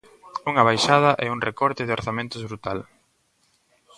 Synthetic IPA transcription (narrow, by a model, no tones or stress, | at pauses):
uŋɐβ̞ajʃað̞ɐʔɛuŋrekɔɾt̪ɪðɪoɾθamẽnt̪ʊzβɾut̪al